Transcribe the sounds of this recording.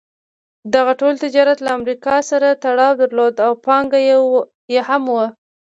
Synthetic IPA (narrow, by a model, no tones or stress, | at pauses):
d̪aɣaʈolt̪ɪd͡ʒɑɾat̪laːmɾikɑsaɾat̪aɽɑwd̪aɾlod̪awpɑŋɡaj | jehamwə